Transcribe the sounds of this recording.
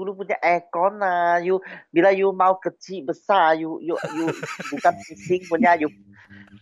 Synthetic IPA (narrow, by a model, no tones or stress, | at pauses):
ulup̬unɲaʔɛkɔnajubilajumãwkətʰiʔbəsajujujubukansisiŋpunɲaju